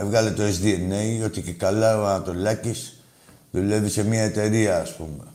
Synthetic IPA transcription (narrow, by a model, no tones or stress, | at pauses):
evɣalet̪oezðienːejot̪ikekalːaβanat̪olakis | ðuleβisemiaet̪eɾiaːspumḛ